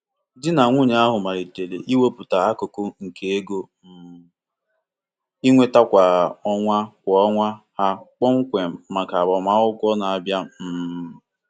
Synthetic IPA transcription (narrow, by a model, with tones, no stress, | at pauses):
dɪ˦na˨ŋʷu˦ɲa˨˦a˦ɦʊ˨ma˨ɾi˨te˨lḛ˨ʔi˦wo˦pu˨ta˨a˦ko˨ko˦ŋ̩˨ke˨e˦ɡo˦m̩˨ | i˦ŋʷe˦ta˦kʷa˨ɔ˦ŋʷa˦kʷɔ˨ɔ˦ŋʷa˦ha˦k͡pɔ˦ŋ̩˦kʷe˨ma˨ka˨bɔ˨ma˦ʊ˦kʷɔ˦na˨a˨bja˦m̩˨